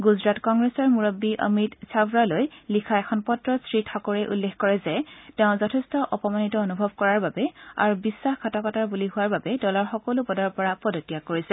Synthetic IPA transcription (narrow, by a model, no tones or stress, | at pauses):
ɡuzɹatkɔŋɡɹɛsɔɹmuɹobːiʔə̰mitsabɹalojlikʰaɛkʰɔnpɔtɹɔstɹitʰɔkoɹɛʔṵlːexkɔɹɛzɛteʊ̃zɔtʰɛstɔʔɔpɔmanitɔonubʱɔb̚kɔɹaɹbabɛa̰ɹubisːaxkʰatɔkɔtaɹbuliɦʊwaɹbabɛdɔlɔɹxɔkolʊbɔdɔɹpɔɹapɔdotːijakoɹisɛ